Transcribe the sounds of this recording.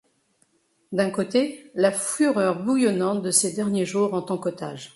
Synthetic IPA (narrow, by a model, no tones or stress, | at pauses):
d̪ɛ̃kot̪elafyʁœʁbujɔnɑ̃t̪̚d̪əsed̪ɛʁnjeʒuʁɑ̃t̪ɑ̃kot̪a̰ʒ